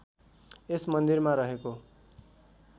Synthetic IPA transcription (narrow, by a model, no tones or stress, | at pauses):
esmʌnd̪irmaɾʌɦeko